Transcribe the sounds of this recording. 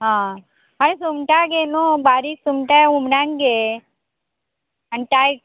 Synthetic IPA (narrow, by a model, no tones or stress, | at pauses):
ɦã | ɦanesumʈaɡenobaːɾiksumʈaumnaŋɡe | aniʈ̪aj